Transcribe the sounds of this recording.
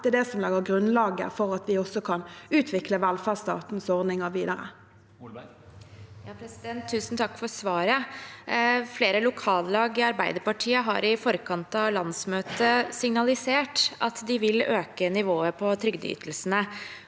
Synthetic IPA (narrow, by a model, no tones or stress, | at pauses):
ɛd̪ɛsɔmlɛɡəʁɡʁʉnlɑːɡə̰fɔʁɑt̪ʋɪɔsɔkʰɑnʉːt̪ʰʋɪkləʋælfæʁst̪ɑ̰ːt̪n̩sɔʁd̪nɪŋəʁʋiːd̪ɑʁə̰ | jɑːpʰɾɛsɪd̪ɛnt̪ʰːʉːsnt̪ʰɑkːfɔɾsʋɑːɾə | fleːɾəlʊkʰɑːllɑːɡɪɑɾbæɪd̪əɾpɑʈʰiːəɦɑ̰ɾɪfɔɾkʰɑnt̪ɑʋlɑnsmøːt̪əsɪŋnɑlɪseːʈʔɑt̪d̪ɪʋɪløːkənɪʋoːəpʰɔt̪ʰɾʏɡd̪əʏ̰ːt̪ʰlsnə